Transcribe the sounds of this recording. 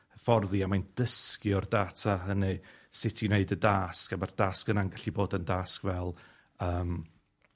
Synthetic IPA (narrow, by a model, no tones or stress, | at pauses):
fɔrðiamajnd̥əskɪɔrdaːtʰaɦənɨsɪtʰineɨdədaːskamard̥aːskənaŋɡaɬiboːdəndaːskvɛlˠ | əːm